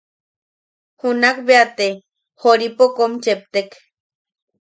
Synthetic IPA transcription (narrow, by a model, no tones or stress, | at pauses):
hunakbeat̪e | hoɾipokomt͡ʃep̚t̪ek